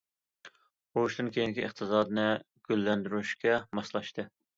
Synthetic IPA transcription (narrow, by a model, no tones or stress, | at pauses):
oʃt̪ɨnkʲʰejinɪkʲiəχt̪ʰɨzɑːd̪ɨnɨ | ɡ̥ʲølːɛnd̪yɾyʃkʲɛmɑslˠɑʃt̪ɨ